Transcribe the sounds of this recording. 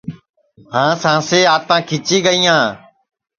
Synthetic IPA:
hãːsãːseːaːt̪ãːkʰɪt͡ʃiːɠəiːãː

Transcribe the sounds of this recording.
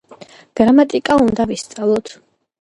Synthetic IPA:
ɡ̥ɾamat̪ʼikʼaund̪avist̪sʼalˠɔt̪ʰ

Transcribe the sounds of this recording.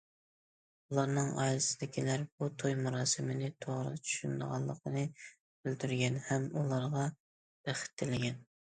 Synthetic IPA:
ulˠɑɾnɨŋɑ̰jlˠɨsɪd̪ɪkʲʰilæɾbut̪ʰojmuɾɑːsɨmɪnɪt̪ʰoʁɾɨ̰t͡ʃʰy̥ʃynd̪əʁɑlˠːəqənɨ | b̥ɪld̪yɾɡʲɛnhɛmulˠɑɾʁɑ | b̥æχɪ̥t̪ʰːɪlɪɡʲɛn

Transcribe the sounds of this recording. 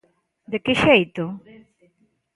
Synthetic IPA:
d̪ekɪʃejt̪ʊ

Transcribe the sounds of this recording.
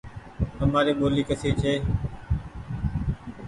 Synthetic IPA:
həmaːɾiːɓoːliːkəsʰeːt͡ʃʰeː

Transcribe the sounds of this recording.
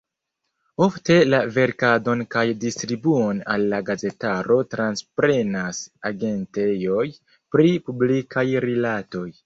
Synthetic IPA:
o̞fte̞lave̞ɾkado̞nkajdistɾibuona̰lːaɡaze̞taɾo̞tɾanspɾe̞nasaɡe̞nte̞jo̞j | pɾipublikʰajɾilato̞j

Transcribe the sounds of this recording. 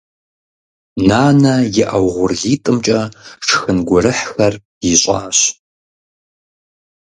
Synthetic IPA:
naːnɐjɪʔɐwʁʷʊrɮiːtʼɨmt͡ʃʼɐʂʰxɨnɡʷʊɾɨħxɐr | jɪɕʼaːɕ

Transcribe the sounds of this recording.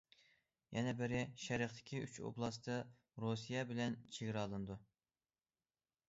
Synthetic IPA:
jʔɛnɛbɪɾɪʃɛɾəχt̪ʰɪ̥kʲʰiyt͡ʃʰo̰blˠɑst̪ʰɨ | ɾosijɛbɪlɛnt͡ʃʰeɡʲɾɑlˠɨnɨd̪u

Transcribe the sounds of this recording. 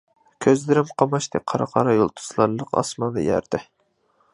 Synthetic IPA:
kʲʰøzlɪɾɪmqʰɑmɑʃt̪ɪqʰɑɾɑ̰qʰɑɾɑjolˠt̪ʰu̥slˠɑɾlˠəqɑ̰smɑnd̪ɑ̰jæ̰ɾd̪ɪ

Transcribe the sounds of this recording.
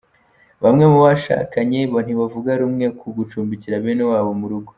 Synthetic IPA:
βamŋe̞muβaʃa̰ːkaɲe̞βon̥iβavuɡaɾumŋe̞kuɡut͡ʃuːmbiciɾaβenewaːβo̞muɾuɡo

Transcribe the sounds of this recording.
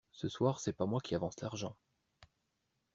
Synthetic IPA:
səswaːʁsɛpamwakʲiavɑ̃slaʁʒɑ̃

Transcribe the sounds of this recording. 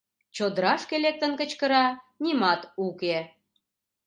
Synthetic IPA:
t͡ɕod̪ɾɑʃkelek̚t̪ə̆nkə̆t͡ɕkə̆ɾɑ | nimɑt̪uke

